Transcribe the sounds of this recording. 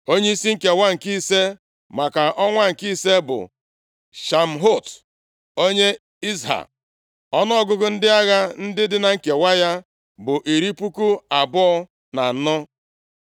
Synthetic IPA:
o˦ɲe˦i˦si˦ŋ̩˦ke˨wa˦ŋ̩˨ki˦se˦ | ma˨ka˨ʔɔ˦ŋʷa˦ŋ̩˨ki˦se˦bʊ̰˨ | ʃa˨m̩˨ɦo˦˨t | o˦ɲe˦ | i˦zɦa̰˨ | ɔ˦nɔ˦ɔ˦ɡʊ˦ɡʊ˦n̩˦dɪ˦a˦ɣa˦n̩˦dɪ˦dɪ˦na˨ŋ̩˦˨ke˨wa˦ja˦ | bʊ˨ʔi˨ɾi˦pu˦ku˦a˨bɔ˦ɔ˦ | na˨nɔ˦

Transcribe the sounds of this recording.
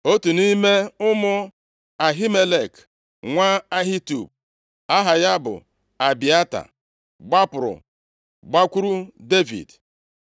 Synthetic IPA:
o˦tu˨nu˦i˦me˦ʊ˦mʊ˦ | a˨ɦi˦me˦le˨k | ŋʷa˦a˦ɦi˦tu˨b̚ | a˦ɦa˨ja˦bʊ̰˨ | a˨bi˨a˦ta̰˨ | ɡ͡ba˦pʊ˨ɾʊ̰˨ | ɡ͡ba˦kʷu˦ɾu˦de˦vḭ˨d

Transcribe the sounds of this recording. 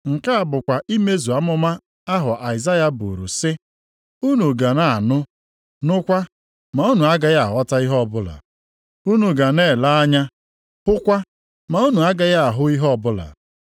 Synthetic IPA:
ŋ̩˨ka˦a˨bʊ˨kʷa˨ʔi˦me˦zu˨a˨mʊ˦ma˦ | a˦ɦʊ˨ʔa˨ɪ˨za˦ja˦bṵ˨ɾṵ˨sɪ˦ | u˦nu˨ɡa˨na˦a˨nʊ˦ | nʊ˦kʷa˦ | ma˨u˦nu˨a˦ɡa˦ja˦a˨˦ɔ˦ta˦i˦ɦɔ˦˨bʊ˦la̰˨ | u˦nu˨ɡa˨ne˦˨la˦a˦ɲa˦ | hʊ˦kʷa˦ | ma˨u˦nu˨a˦ɡa˦ja˦˨ɦʊ˦i˦ɦɔ˦ɔ˨bʊ˦la̰˨

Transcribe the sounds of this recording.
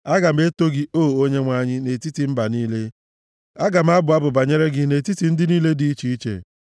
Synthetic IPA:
a˦ɡa˨m̩˦e˦to˦ɡɪ˦o˦˨o˦ɲe˦ŋʷa˦ɲɪ˦ne˨ti˦ti˨m̩˦ba˨niː˦le˦ | a˦ɡa˨m̩˦a˦bʊ˨a˦bʊ˨ba˨ɲe˦ɾe˦ɡɪ˦ne˨ti˦ti˨n̩˦dɪ˦niː˦le˦di˦i˦t͡ʃi˦i˦t͡ʃḛ˨

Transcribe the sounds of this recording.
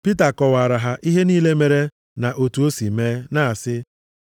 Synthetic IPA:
pi˦ta˨kɔ˨wa˨ɾa˨ɦa˨ʔi˦ɦe˦niː˦le˦me˨ɾe˦ | na˨ʔo˨tu˨o˦si˨meː˦na˦a˨sɪ˦

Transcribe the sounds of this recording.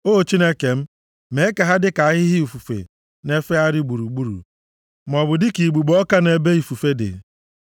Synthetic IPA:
o˦˨t͡ʃi˦ne˦ke˨m̩˦ | me˨˦ka˨ɦa˦dɪ˦ka˨a˦ɦɪ˦ɦɪ˦u˨fu˨fḛ˨ | ne˦fe˦a˦ɾɪ˦ɡ͡bu˨ɾu˨ɡ͡bu˦ɾṵ˨ | m̩˨ɔ˨bʊ˨dɪ˦ki˨ɡ͡bu˨ɡ͡bɔ˦ka˦ne˨be˦i˨fu˨fe˦dɪ̰˨

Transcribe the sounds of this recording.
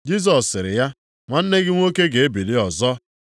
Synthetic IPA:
d͡ʒi˦s̬ɔ˨ssːɪ˨ɾɪ̰˨ja˦ | ŋʷa˨n̩˦ne˦ɡɪ˦ŋʷo˦ke˦ɡe˨e˦bi˨li˦ɔ˨zɔ˦

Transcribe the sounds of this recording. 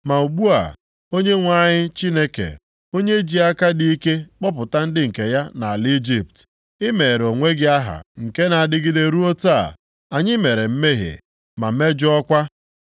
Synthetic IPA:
ma˨u˨ɡ͡bu˦a̰˨ | o˦ɲe˦ŋʷa˦˨ɲɪ˦t͡ʃi˦ne˦kḛ˨ | o˦ɲe˦d͡ʒi˨˦a˦ka˦di˦i˦ke˦k͡pɔ˦pʊ˨ta˦n̩˦dɪ˦ŋ̩˨ke˨ja˦na˨a˨li˦d͡ʒi˦p̚t | ɪ˦me˨ɾo˨ŋʷe˦ɡɪ˦a˦ɦa̰˨ŋ̩˨ke˦na˨a˨dɪ˦ɡɪ˦de˦ɾu˦o˦ta˦˨ | a˨ɲɪ˦me˨ɾe˨m̩˦me˦ɦḛ˨ | ma˨˦me˦d͡ʒɔ˦kʷa˦

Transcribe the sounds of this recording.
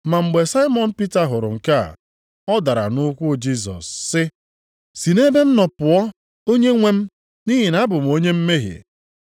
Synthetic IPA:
ma˨ŋ͡m̩˨ɡ͡be˨sa˦ɪ˦mɔ˨n̩˨pi˦ta˨ɦʊ˨ɾʊ̰˨ŋ̩˨ka˦ | ɔ˦da˨ɾa̰˨nʊ˦kʷʊ˦d͡ʒi˦s̬ɔ̰˨sːɪ˦ | si˨ne˦be˦m̩˦nɔ˨pʊ˨ɔ˦ | o˦ɲe˦ŋʷe˦m̩˦ | ni˦ɦi˨na˨˦bʊ˨m˨o˦ɲe˦m̩˦me˦ɦḛ˨

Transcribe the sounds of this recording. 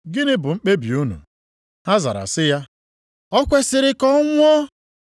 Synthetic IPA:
ɡɪ˦nɪ˦bʊ˨ŋ͡m̩˦k͡pe˦bi˨u˦nṵ˨ | ha˦za̰˨ɾa̰˨sɪ˦ja˦ | ɔ˦kʷe˦sɪ˨ɾɪ˦kɔ˦ŋʷʊ˦ɔ˦

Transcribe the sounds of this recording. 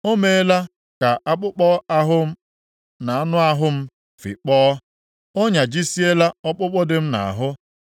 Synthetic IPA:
o˦me˨˦la˦ | ka˨ʔa˦k͡pʊ˦k͡pɔ˦a˦ɦʊ˦m̩˦ | na˨a˦nʊ˦a˦ɦʊ˦m̩˦ | fḭ˨k͡pɔː˦ | o˦ɲa˨d͡ʒi˦si˦e˦la˦ɔ˦k͡pʊ˦k͡pɔ˦dɪ˦m̩˦na̰˨a˨ɦʊ˦

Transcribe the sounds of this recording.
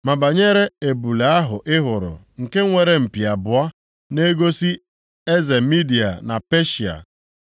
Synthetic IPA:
ma˨ba˨ɲe˦ɾe˦e˨bu˨le˨˦a˦ɦʊ˨ʔɪ˦ɦʊ˨ɾʊ̰˨ | ŋ̩˨ke˦ŋʷe˨ɾe˨m̩˨pi˨a˨bʊ˨a˦ | ne˦ɡo˦si˦ | e˦ze˨mi˦di˨a̰˨na̰˨pe˦ʃi˨a̰˨

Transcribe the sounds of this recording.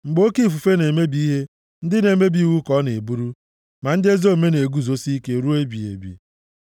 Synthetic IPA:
ŋ͡m̩˨ɡ͡bo˦ki˦˨fu˨fe˦ne˨me˦bi˦i˦ɦe˦ | n̩˦dɪ˦ne˨me˦bi˨˦wu˦kɔ˦ne˨bu˦ɾu˦ | ma˨n̩˦dɪ˦e˦zo˦˨me˦ne˨ɡu˦zo˦si˦i˦ke˦ɾu˦e˦bi˨ḛ˨bḭ˨

